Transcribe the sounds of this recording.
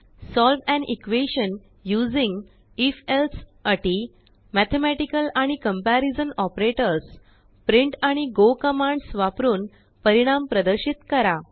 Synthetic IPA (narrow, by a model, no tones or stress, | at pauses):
sɔlʋɛ̃nʔikʋeɕən | jud͡ziŋɡ | ifelsəʈi | mæt̪ʰemæʈikəlaɽ̃ikəmpæɾid͡zənɔpɾeʈəɾs | pɾiɳʈaɽ̃iɡokəmãɳɖsʋapɾuːn | pəɾiɽ̃ampɾəd̪əɾɕit̪kəɾa